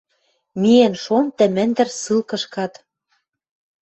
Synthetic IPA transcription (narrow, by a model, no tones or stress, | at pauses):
mienʃont̪ɘ̆mɘ̆nd̪ɘ̆rsɯlkɤ̆ʃkɑt̪